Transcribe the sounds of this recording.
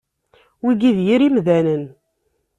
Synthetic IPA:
wiɡiðjiɾimðænən

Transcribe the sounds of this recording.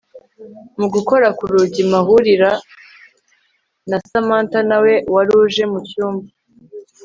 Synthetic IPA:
muɡuko̞ɾakuɾuɟimahuɾiɾa | nasamaːntanawe̞waɾuʒe̞mucuːmba

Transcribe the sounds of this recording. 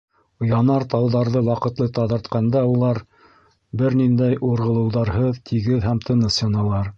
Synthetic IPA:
jɑnɑɾt̪ɑwðɑɾðɤwɑqɤ̆t̪lˠɤt̪ɑðɤ̆ɾt̪qɑnd̪ɑulˠɑɾ | bɘɾnind̪æjʔuɾʁɤ̆lˠɤ̆wðɑɾɦɤðt̪ʰiɡɘðhæmt̪ʰɤ̆nɤsjɑnɑlˠɑɾ

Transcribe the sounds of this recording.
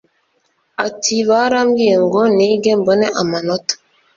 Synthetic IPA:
atʰiβaɾaːmɡijeŋɡoniɡemboneʔamanotḁ

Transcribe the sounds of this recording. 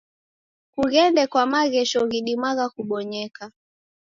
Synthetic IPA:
kuɣɛndɛkwamaɣɛʃɔɣiɗimaɣakuɓɔɲɛka

